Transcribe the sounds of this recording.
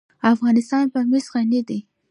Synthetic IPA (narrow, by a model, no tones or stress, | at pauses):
afɣɑnɪst̪ɑnpəmɪsɣanid̪i